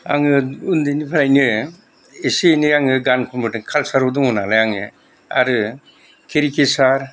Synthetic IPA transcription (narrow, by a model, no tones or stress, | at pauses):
a̰ŋɯundenipʰanajnɯ | esenɯjaŋɯɡanpʰɔmbɯdɯŋkʰalsaɾɔduŋɔnalajaŋɯ̰ | a̰ɾɯ | kʰeɾikʰesaɾ